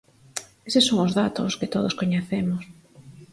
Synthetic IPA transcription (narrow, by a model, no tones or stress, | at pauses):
esesoŋʊzðat̪oskɪt̪oð̞oskoɲeθemos